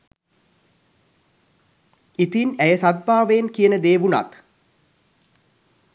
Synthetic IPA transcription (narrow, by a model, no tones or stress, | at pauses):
it̪inæjəsat̪̚bʱaːʋəjenkijənəd̪eːʋuna̰t̪